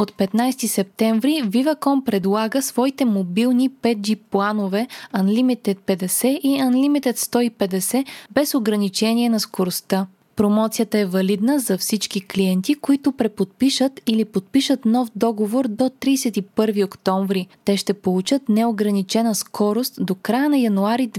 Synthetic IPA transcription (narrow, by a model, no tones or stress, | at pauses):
ot̪pɛt̪najst̪isɛp̚t̪ɛɱvɾivivɐkɔmpɾɛd̪lˠaɡəsvɔit̪ɛmobilˠnipɛd̪̚d͡ʒiplˠanovɛɐnlimit̪ɛt̪̚pɛd̪ɛsɛʔiɐnlimit̪ɛt̪st̪ɔipɛd̪ɛsɛbɛsoɡɾɐnit͡ʃɛnʲiɛnɐskoɾost̪a | pɾomɔt̪sijət̪əɛvɐlid̪nəzɐfsit͡ʃkikliɛnt̪ikoit̪ʊpɾɛpot̪̚piʃət̪ilipot̪̚piʃət̪nɔfd̪ɔɡovoɾd̪ot̪ɾiːsɛt̪ipɤɾviokt̪ɔɱvɾit̪ɛʃt̪ɛpolˠut͡ʃət̪nɛoɡɾɐnit͡ʃɛnəskʰɔɾost̪d̪okɾajənɐjɐnuaɾid̪